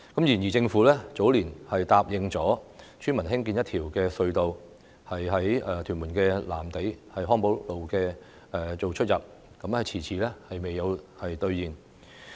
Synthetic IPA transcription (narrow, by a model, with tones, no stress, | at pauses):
kɐ˨˥mjiː˨˩njiː˨˩t͡sɪ˧ŋfuː˨˥lɛː˥t͡so˨˥wliː˨˩nhɐ˨jt̪aː˨p̚jɪ˨˧ŋt͡sɔː˨˥t͡ʃʰyː˥nmɐ˨˩nɦɪ˥ŋkiː˧njɐ˥t̪ʰiː˨˩wkɛː˧sɵ˧ɥt̪o˨w | hɐ˨jɦɐ˨˥jɛ˨˩t̪ʰyː˨˩nmuː˨˩nkɛː˧laː˨˩mt̪e˨˥jhɐ˨jɦɔː˥ŋpo˨˥wlo˨wkɛː˧ | ɛ˨˧t͡so˨wt͡ʃʰɵ˥t̚jɐ˨p̚ | kɐ˨˥mhɐ˨jt͡sʰiː˨˩t͡sʰiː˨˩lɛː˥hɐ˨jme˨jːɐ˨˧whɐ˨jt̪ɵ˧ɥjiː˨˩n